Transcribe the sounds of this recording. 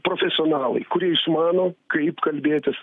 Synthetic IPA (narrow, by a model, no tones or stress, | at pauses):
pɾoːfʲɛsʲɪoːnɑːlˠɐ̰ɪkʊɾʲiɛɪʃmɑːnoːkɐɪpkɐlʲbʲeːt̪ʲɪs